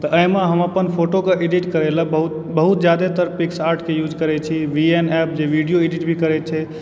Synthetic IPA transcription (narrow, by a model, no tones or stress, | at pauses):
t̪əʔəjmeɦəməpənpʰoʈokeʔeɖiʈkəɾeləbəɦut̪ | bəɦut̪d͡ʒjad̪et̪əɾpiksaɾʈʰkejud͡ʒkəɾɛt͡ʃʰiʋienɛp̚d͡ʒeʋiɖijoeɖiʈbʱikəɾɛt̪̚t͡ʃʰɛ